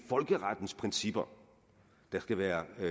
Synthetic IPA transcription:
fɒ̽lɡ̥əʁɑd̥n̩spʰʁɛnsib̥ɐ | d̥ɑ̈sɡ̥æʋæːɐ

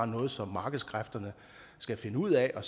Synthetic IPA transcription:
nɔ̽ːð̞̩ˠsɒ̽mːɑ̈ːɡ̥əð̞̩ˠskʰʁafd̥ɐnə | sɡ̥æfe̝nəuð̞̰ˠɛʔɒ̽

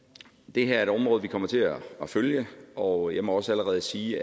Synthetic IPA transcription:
d̥e̝ɦæɐæɐe̝ɾ̥ɒ̽mʁɔːðˠʋikʰɒ̽m̰ɐt͡sʰe̝æføljəɒjɑ̈ɪmɒ̽ɒ̽səæləʁɛːð̞ˠəsiː

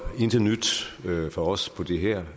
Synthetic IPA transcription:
e̝nd̥ɐnyd̥fɒɒ̽spʰɒ̽d̥e̝ɦɛɐ̰

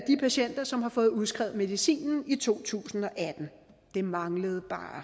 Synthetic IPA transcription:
d̥ipʰæɕen̰d̥ɐsɒ̽mhɑ̈fɔ̽ːð̞̩ˠuð̞ˠsɡ̥ʁɛ̰ʊð̩ˠme̝ð̞ˠisḭːnn̩it͡sʰo̝̰ːt͡sʰṵːsn̩ɒ̽ʔæd̥n̩ | d̥e̝mɑ̈ŋləð̞̩ˠb̥ɑ̰̈ː

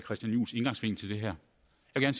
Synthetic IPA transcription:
kʰɛsd̥jænjṵːse̝nɡ̥ɑ̈ŋsʋe̝ŋ̰n̩t͡sʰe̝ld̥e̝ɦæɐ̰ | jɑʋeɡ̥æɐns

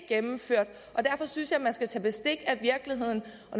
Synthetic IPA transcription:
ɡ̥emm̩føɐ̰d̥ | ʔɒ̽d̥æɐfɒ̽synsjɑ̈ɪmænsɡ̥æt͡sʰɛ̰ːb̥e̝sd̥e̝ɡ̥æʋiɐɡ̥liɦe̝ð̞̰ˠn̩ | ɒ̽n

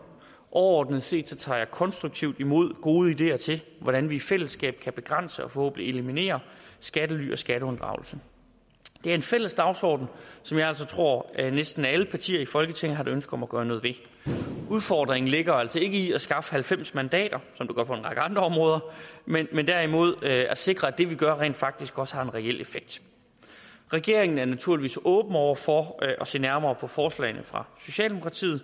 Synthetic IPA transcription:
ʔɒʊɐɒ̰ːd̥n̩əð̩ˠse̝̰ːd̥sɒ̽t͡sʰɑ̰̈ːjɑkʰɒ̽nsd̥ʁuɡ̚t͡sʰiʊd̥imo̝ð̞̰ˠɡ̥o̝ːð̞ˠəid̥e̝̰ːɐt͡sʰe̝lʋɒɾ̥ænʋiːfel̰əsɡ̥ɛ̰ːb̥̚kʰæb̥e̝ɡ̥ʁɑn̰səɒ̽fɒ̽hɔ̰ːb̥ən̩die̝limine̝̰ːɐsɡ̥ædəly̰ːʔɒ̽sɡ̥æɾəɔ̽nd̥ʁɑ̰̈ʊl̩sə | d̥eæɐe̝nfel̰əsd̥ɑ̈ʊsɒ̰ːd̥n̩sɒ̽mjæl̰sɒ̽t͡sʰʁo̝ɐ̰nesd̥n̩ææləpʰɑ̈t͡sʰḭːɐifɒ̽lɡ̥ət͡sʰeŋ̰̩ɦɑ̈ɾeønsɡ̥ɒ̽mæɡ̥ɶːɐnɔ̽ːð̞̩ˠʋe̝ | uð̞ˠfɒːd̥ʁeŋn̩le̝ɡ̥ɐæl̰sɒ̽e̝ɡ̥əiæsɡ̥ɑ̈fə̥hælfem̰smænd̥ɛ̰ːd̥ɐsɒ̽md̥eɡ̥ɶɐpʰɒ̽e̝nʁɑ̈ɡ̥əɑ̈nd̥ʁɐɒ̽mʁɔ̽ːðˠɐmenmend̥æɐ̰imo̝ð̞̰ˠæse̝ɡ̥ʁɐæd̥e̝ʋiɡ̥ɶɐʁḛːnd̥fɑ̈ɡ̥̚d̥isɡ̥ɒ̽səhɑ̈e̝nʁɛel̰e̝feɡ̥̚d̥ | ʁɛɡ̥e̝ɐe̝ŋn̩æɐnæt͡sʰuɐliʋḭːsɔ̽ːb̥n̩ɒʊ̰ɐfɒʔɒse̝̰ːnæɐmɐːpʰɒ̽fɒːslɛ̰ɪnəfʁɑ̈so̝ɕɛ̰ːldemo̝kʰʁɑ̈t͡sʰḭːð̩ˠ

